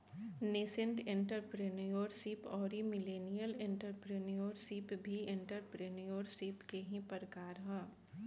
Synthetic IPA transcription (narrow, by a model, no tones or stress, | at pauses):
neːsɪ̃ɳʈẽɳʈəɾpɾenijoːɾsiːpɔːɾimɪleːnijəlẽɳʈəɾpɾenijoːɾsiːpbʱiẽɳʈəɾpɾenijoːɾsiːpkeɦĩpəɾəkaːɾɦɛ